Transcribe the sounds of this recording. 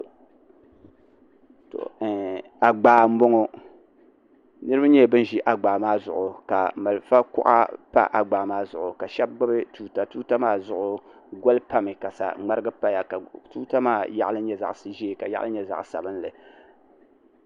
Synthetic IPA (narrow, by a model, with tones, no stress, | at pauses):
to̰˨ | a˨ɡ͡baː˨m̩˦bo˦ŋo˦ | nɨ˦ɾɨ˦ba˦ɲɛ˦˨bɨ˦n˦ʒi˦ʔa˨ɡ͡baː˨maː˦zʊ̰˨ʔʊ˨ka˨ma˨lfa˦kʊ̰˦ʔa̰˦pa̰˦ʔa˨ɡ͡baː˨maː˦zʊ˨ʔʊ˨ka˨ʃɛ˦b̚ɡ͡ba˦bɨ˦tuː˦ta˦tuː˦ta˦maː˦zʊ˨ʔʊ˦ɡo˦lpa˦mɨ˨ka˨sa̰˨ŋ͡ma˦ɾɨ˦ɡɨ˦pa˦ja˨ka˨tu˦ta˦maː˦ja˦ʔlɨ˦ɲɛ˦za̰˨ʔsɨ˨ʒi˦˨ka˨ja˦ʔa̰˦lɨ˦ɲɛ˦za̰˨ʔsa̰˨bɨ˦n˦lɨ˨